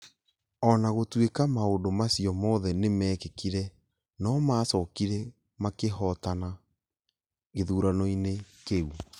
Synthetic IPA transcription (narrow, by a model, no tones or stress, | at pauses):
ɔnaɣotwekamaodomasiɔmɔːðɛnemɛːkekiɾɛ | nɔmaːsɔkiɾɛ | makeɦɔtana | ɣeðuːɾanoinekeu